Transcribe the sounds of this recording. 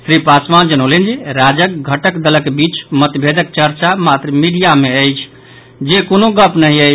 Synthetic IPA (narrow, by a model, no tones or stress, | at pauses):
sɾipasmand͡ʒənəlend͡ʒiɾad͡ʒək̚ɡʱəʈəkd̪ələkebit͡ʃmət̪bʱed̪ək̚t͡ʃəɾt͡ʃamat̪ɾəmiɖijameəjt͡ʃʰ | d͡ʒekonoɡəpnəɦiəj